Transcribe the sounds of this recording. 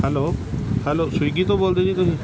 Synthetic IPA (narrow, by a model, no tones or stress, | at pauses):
hɛlohɛlosujɡit̪obolt̪ed̪it̪oɦi